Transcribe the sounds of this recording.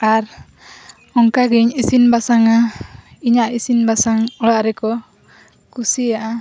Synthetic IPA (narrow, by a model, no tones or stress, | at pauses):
aɾ | ɔŋkaɡiɲisinbasaŋaiɲaʔisinbasaŋɔlaʔɾɛkɔ | kusiaʔa